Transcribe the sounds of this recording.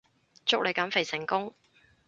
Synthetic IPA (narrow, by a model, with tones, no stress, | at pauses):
t͡sʊ˥k̚lʔe˨˧jkɐ˨˥nfe˨˩jsɪ˨˩ŋkʊ˥ŋ